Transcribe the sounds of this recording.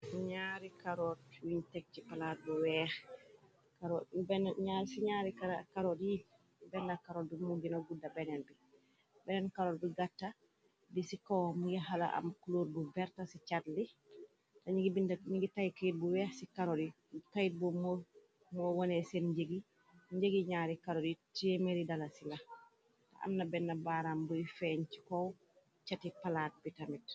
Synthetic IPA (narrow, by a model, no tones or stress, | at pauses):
siɲaɾikaɾɔɾwiɲtɛk̚t͡ʃipalat̚buwɛːx | kaɾɔbɛnɲaɾsiɲaɾikakaɾɔdji | bɛndakaɾɔːdumuɡinaɡudːabɛnɛnbi | bɛnɛnkaɾɔɾbiɡatːa | bisikɔmujɛɦala̰ʔa̰mkuloɾbubɛɾtasit͡ʃatli | taɲiɡbinɲiɡitajikajit̚buwɛsikaɾoli | kajit̚bumɔ | mɔwɔnɛsɛnd͡ʒeɡi | ɲɟeɡiɲaːɾikaɾoditemeɾidalasila | ta̰ʔa̰mnabɛnːabaːɾambujfɛɲt͡ʃi̥kɔw | t͡ʃatipalaːt̚bitamit̚